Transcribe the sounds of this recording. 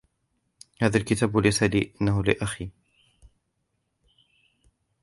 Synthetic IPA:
haːðalkɪt̪aːbʊlasalḭːʔɪnːahʊlɪ̰ʔaxiː

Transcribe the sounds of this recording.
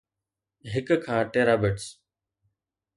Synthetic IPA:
ɦɪkkʰãːʈeːɾaːbeʈs

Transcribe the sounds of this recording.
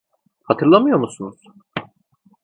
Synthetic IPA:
hat̪ʰɯɾlˠamɯjo̞ɾmusunuz̥

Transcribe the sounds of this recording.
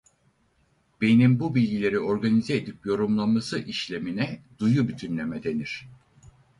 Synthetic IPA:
b̥e̞nimbubilʲɟilʲe̞ɾio̞ɾɡanizɛːd̪ipjo̞ɾumlˠammasɯʔiʃlʲe̞minɛd̪ujubyt̪ʰynlʲemɛd̪e̞niɾ̝̥

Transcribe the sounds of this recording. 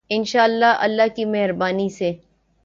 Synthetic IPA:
ɪnʃaːlːaɐ̰lːaɦkimɛɦɾbaːnise

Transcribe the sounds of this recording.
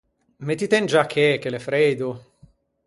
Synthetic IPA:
met̪it̪ɛnd͡ʒakʰːeɛkːelefɾeːd̪o

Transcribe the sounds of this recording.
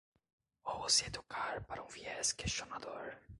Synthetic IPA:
ovoseed̪ukaɾpaɾɐũviɛskest͡ʃonad̪oɾ

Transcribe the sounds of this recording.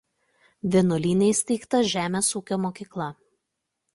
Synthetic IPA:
ʋʲenɔlʲiːnʲɛɪsʲt̪ʲɛɪkt̪ɐʒʲæːmʲeːsuːkʲoːmoːkʲiːklˠɐ

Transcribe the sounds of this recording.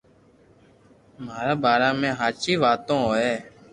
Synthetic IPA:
maːɾaːbʱaːɾaːmẽːɦaːt͡ʃiːʋaːt̪õːɦoːeː

